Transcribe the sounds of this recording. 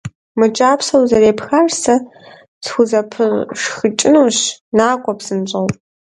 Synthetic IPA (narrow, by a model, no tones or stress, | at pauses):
mɨt͡ʃʼaːpʰsɐwzɐɾeːpxarsɐ | sxʷʊzɐpʰɨrʂxɨt͡ʃʼɪnuːɕnaːkʷʼɔpsɨnɕʼɐwpʼ